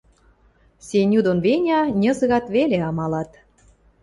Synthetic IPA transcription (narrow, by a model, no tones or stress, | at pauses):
senʲud̪onβenʲɑnʲə̆zə̆ɣɑt̪βeleɑmɑlɑt̪